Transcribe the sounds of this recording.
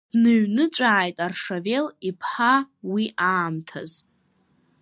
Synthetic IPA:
d̥nɨɥnɨt͡ʃʷʼaːjtʼarʂave̞lipʰħawiʔaːmtʰa̰z

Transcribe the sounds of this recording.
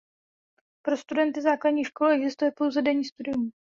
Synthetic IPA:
pɾo̞st̪udɛnt̪ɪzaːkladɲiːʃko̞lɛɡzɪst̪ujɛpo̞wzɛdɛɲiːst̪udɪjum

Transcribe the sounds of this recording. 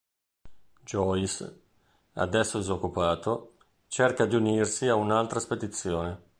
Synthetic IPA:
d͡ʒɔis | a̰d̪ɛsːoezokːupaːt̪o | t͡ʃɛrkad̪iunirsiaunalt̪ɾasped̪it̪sːjoːne

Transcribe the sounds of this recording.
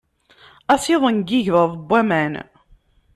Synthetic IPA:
æsiðˤənɡiʝðəðˤbʷːæmæn

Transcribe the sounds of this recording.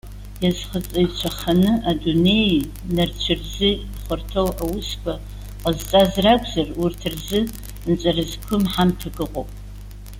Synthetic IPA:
jazχət͡sʼajt͡ʃʷʰaχanɨʔadune̞j | nart͡ɕʷʰɪrzɨ | χʷʊrtʰowawʊskʷʰa | qʼəzt͡sʼazraɡʷʰʼzarurtʰɨrzɨ | nt͡ʃʼarɨzkʷʰʊmħamtʰaɡɨqʼo̰pʼ

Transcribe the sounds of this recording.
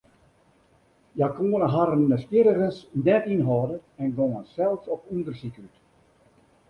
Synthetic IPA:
jakoənəɦaɾənːəskjɪɾərənsnɛtinɦɔːdəɛnɡoŋənsɛlˠsɔpundərsikyt

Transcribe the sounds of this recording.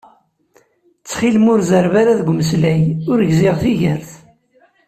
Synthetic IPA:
t͡sːχilmʊɾzəɾvaɾaðɡʷməslæjʊɾʝziʁθiʝəɾθ

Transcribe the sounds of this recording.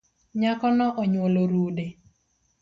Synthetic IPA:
ɲakɔnɔʔoɲwoloɾuːde

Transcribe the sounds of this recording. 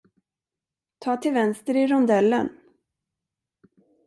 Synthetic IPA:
t̪ʰɑːt̪ʰɪlvɛnst̪əɾɪɾɔnd̪ɛlːə̰n

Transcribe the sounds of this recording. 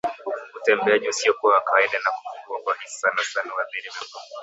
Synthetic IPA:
utɛmbɛaʄiusiɔkuwawakawaiɗanaku̥fuŋɡuakwahisi̥sanasanawamɓɛɾɛvakuɔ

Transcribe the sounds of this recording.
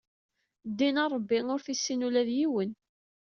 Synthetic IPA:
d̪ːinɑɾˤəbːiʊɾθisːinulæðjiwən

